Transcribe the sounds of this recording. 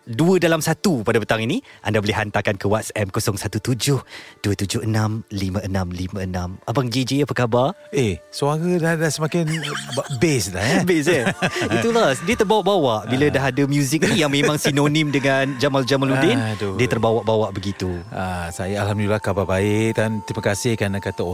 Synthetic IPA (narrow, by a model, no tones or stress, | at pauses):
duədalamsat̪upadapət̪aŋiniʔa̰ndaboliɦant̪akankəwat̪̚sɛmkosɔŋsat̪ut̪ud͡ʒʊhd̥uət̪ud͡ʒʊhənamlimə̃ʔənãmlimãənãmabaŋd͡ʒed͡ʒeapəkabaresuaɾədadasəmakɪnabesla̰bes̬it̪uladiət̪ərbawaʔbawaʔbilədaɦadəmjuzɪk̚nĩjaŋmẽmmãŋsinonĩmdəŋand͡ʒamald͡ʒamaludɪndodiət̪ərbawaʔbawaʔbəɡit̪uasajəalhamdulilahkababaɪʔ̚t̪ant̪ɾimakasɪhkanakat̪a